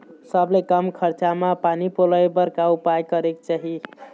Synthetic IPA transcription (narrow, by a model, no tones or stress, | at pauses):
səblekəmkʰəɾt͡ʃamapanipoləjbəɾkaupajkəɾekt͡ʃaɦi